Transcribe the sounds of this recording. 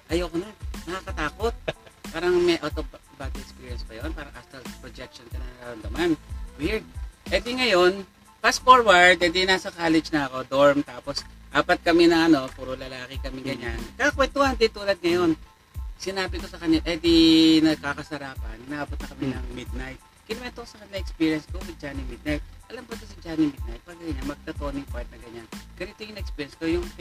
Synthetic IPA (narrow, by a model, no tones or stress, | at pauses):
ʔɐjoːkonɐnɐkaːkɐt̪aːko̞t̪̚paːɾɐŋmɛjʔawt̪ovbad̪ɛkspiːɹjɛnspɐjonpaːɾɐŋʔast̪ɐlpɾod͡ʒɛk̚ʃonkɐnɐkɐɾɐnd̪ɐmanwɪɹd̪̚ʔɛd̪iŋɐjo̞n | pasfoɹwaɹd̪ɛd̪inasɐkaːlɛd͡ʒnɐɐko̞d̪oɹmt̪aːposʔaːpɐt̪̚kɐmɛnɐŋʔɐno̞puːɾolɐlaːkɪkɐmɪŋɡɐɲankakwɛnt̪ʊhanɐd̪it̪uːlɐd̪̚ŋɐjo̞n | sɪnaːbɪkosɐkɐɲːaʔɛd̪inɐɡ̚kaːkɐsɐɾaːpɐ̰nɪnʔaːbot̪nɐkɐminɐŋmɪd̪̚najt̪̚ | kɪlɛmɛnt̪oksɐkɐnɪlɐŋʔɛkspiːɹjɐnsɡ̪uːbɪd͡ʒanɪmɪd̪̚najt̪̚ʔɐlɐmpɐt̪osɪd͡ʒaːnɪmɪd̪̚najt̪̚paɡɐɡɐɲanmɐɡ̚t̪ɐt̪oːnɪŋpwaɹt̪̚nɐɡɐɲanɡ̥ɐnɪt̪ojʊŋnɐʔɛkspiːɹjɛnskojʊŋ